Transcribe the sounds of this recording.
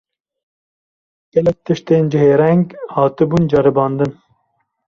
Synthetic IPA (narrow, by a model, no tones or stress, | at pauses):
ɡ̥ɛlɛk̚t̪ɨʃt̪eːnd͡ʒɪɦeːɾɛŋɡhɑːt̪ɨbuːnd͡ʒɑɾɨbɑːnd̪ɨn